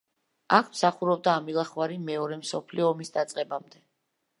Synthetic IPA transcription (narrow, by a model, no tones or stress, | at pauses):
akʰmsaχuɾɔb̚d̪aːmilˠaχwaɾimɛɔɾɛmsɔpʰliɔːmisd̪at̪sʼqʼɛbamd̪ɛ